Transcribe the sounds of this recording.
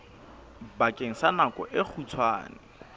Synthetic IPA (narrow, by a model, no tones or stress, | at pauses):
bakʼeŋ̩sanakʼɔʔek͡xʰut͡sʰwa̰ːnɪ